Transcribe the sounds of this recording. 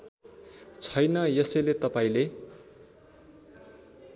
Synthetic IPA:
t͡sʰʌjnʌjʌsʌjlet̪ʌpaĩle

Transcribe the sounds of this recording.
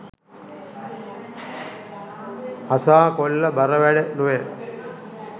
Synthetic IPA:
hɐsaːkolːɐbɐɾəʋæɖenuʋe

